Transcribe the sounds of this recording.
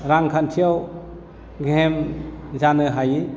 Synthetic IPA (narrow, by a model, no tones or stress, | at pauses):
ɾaŋkʰantʰijaw | ɡemzanɯɦaji